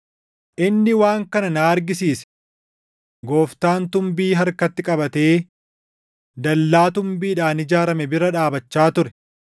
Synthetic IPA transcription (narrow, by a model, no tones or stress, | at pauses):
ʔɪnːɪwaːŋkɐnɐnaːɐɾɡɪsiːsɛ̥ | ɡo̞ːft̪aːnt̪ʊmbiːɦɐɾkɐt̪ːɪkʼɐbɐt̪e̞ː | d̪ɐlːaːt̪ʊmbiːᶑaːnɪd͡ʒaːɾɐmɛbɪɾɐᶑaːbɐt͡ʃːaːt̪ʊɾɛ